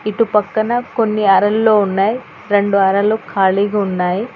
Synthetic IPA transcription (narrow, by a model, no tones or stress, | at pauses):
iʈupɐkːɐnɐkonːiɐɾɐlːo̞ːunːaːji | ɾe̞ɳɖuɐɾɐlukʰaːɭiːɡɐunːaːji